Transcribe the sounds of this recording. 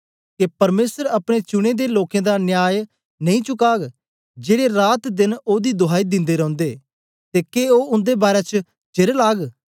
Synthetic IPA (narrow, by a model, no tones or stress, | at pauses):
kepɐɾmeːsəɾɐpɽ̃et͡ʃʊɽ̃ed̪eloːkẽːd̪anjaːj | nɐ̃ĩt͡ʃʊkaːɡ | d͡ʒeːɽeɾaːt̪d̪ɪnoːd̪id̪ʊɦaːid̪ɪ̃nd̪eɾɐ̃ʊ̃nd̪eː | t̪eːkeoːʊ̃nd̪ebaːɾet͡ʃə | d͡ʒɪɾlaːɡ